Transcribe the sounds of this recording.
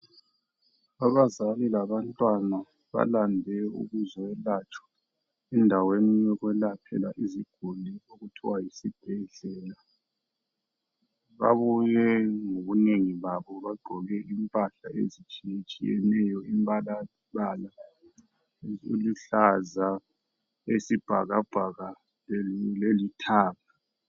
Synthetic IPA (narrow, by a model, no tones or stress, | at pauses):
aβazalilaβantʼwana | βa̰landʱɛṵɣuzɔwɛlat͡ʃʼɔ̥ | ɛndʱaweniijɛɣwɛlapʰɛ̰laʔiziɡ̥ʱulioɣutʰiwajisib̥ʱɛɮɛːla | βa̰βujɛŋoɣuneŋiβaβɔβaɡ͡ǃʱɔɣɛʔimpʼaɬaḛzit͡ʃʼit͡ʃʼijɛ̰nɛjɔimpʼala | βala | ṵluɬaza | esib̥ʱa̰ɣaɡ͡ǃ̥ʱaɣa | lelitʰaːβa